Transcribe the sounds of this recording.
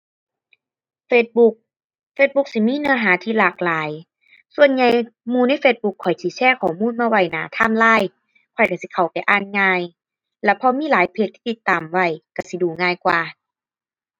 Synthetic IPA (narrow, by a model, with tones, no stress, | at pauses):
feː˧t̪̚bu˧k̚ | feː˧˦t̪̚bu˧˦k̚si˧˦miː˧˥˨nɯ˧ɐɦaː˨˦t̪ʰiː˧˨laː˨˩k̚laː˨˦j | su˧˨ənɲa˧jmuː˧˦na˧˥˨jfeː˧t̪̚bu˧˦kʰːɔ˨˩jsi˧˦t͡ɕʰɛː˧˩˨kʰɔː˨˩˦muː˧˥˨nmaː˧wa˧˩jnaː˨˦t̪ʰaː˧˥˨mlaː˧˥˨j | kʰɔ˨˩jka˧˩si˧˦kʰa˨˩wpa˨jʔaː˧˩˨nŋaː˧˨j | lɛ˧˩pʰɔ˧miː˧˥˨laː˨˦jpʰe˧t̪̚ʰi̥ː˧i˧˦t̪ːaː˨˩mwa˧˩jka˧˩si˧˦duː˨˩ŋaː˧˩˨jkwaː˧˩